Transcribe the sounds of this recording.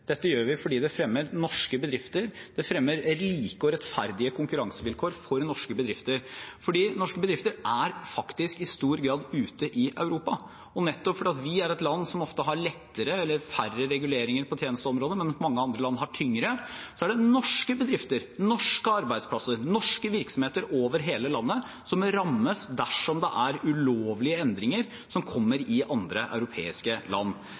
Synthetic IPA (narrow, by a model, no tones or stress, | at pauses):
d̪̥ɛt̪ːəjøːɾʋɪfɔɖiːd̪ɛfɾɛmːəɾnɔʂkəbəd̪ɾɪft̪əɾd̪̥ɛfɾɛmːəɾɾiːkəɔɾɛt̪fæ̰ɾd̪ɪəkʰʊŋkʉɾɑŋsəʋɪlkʰoːɾfɔɾnɔʂkəbəd̪ɾɪft̪əɾfɔɖiːnɔʂkəbəd̪ɾɪft̪əɾæɾfɑkt̪ɪskɪst̪uːɾɡɾɑːd̪ʉːt̪əʔɪʔɑʉɾuːpɑ | ɔnɛt̪ːɔpfɔɖiːɑt̪ʋɪæɾɛt̪lɑnːsɔmɔft̪əɦɑɾɭɛt̪ːəɾəɛlːəɾfærəɾɛɡʉleːɾɪŋəɾpʰɔt̪ʰjeːnəst̪əɔmɾoːd̪əmɛnmɑŋːəɑnd̪ɾəlɑnːhɑʈʰʏŋɾəsɔæɖɛnɔʂkəbəd̪ɾɪft̪əɾnɔʂkəɑɾbæɪd̪spʰlɑsəɾnɔʂkəʋɪɾksɔmheːt̪əɾoːʋəɾɦeːləlɑnːə | sɔmɾɑmːəsd̪æʂɔmd̪ɛʔæɾʉloːʋlɪəɛnd̪ɾɪŋəɾ | sɔmkʰɔmːəɾɪʔɑnd̪ɾəʔɑ̰ʉɾʊpʰḛːɪskəlɑ̰nː